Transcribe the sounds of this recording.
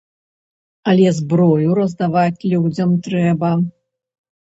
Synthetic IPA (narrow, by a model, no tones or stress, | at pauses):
ɐlʲɛzbɾɔjuɾɐzd̪avat͡sʲlʲud͡zʲɐmt̪ɾɛbɐ